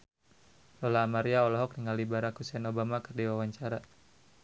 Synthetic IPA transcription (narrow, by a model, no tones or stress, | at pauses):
lɔlaːmaɾiaɔlɔɦɔk̚niŋalibaɾakhusɛnobamakərdiwawaɲt͡ʃaɾa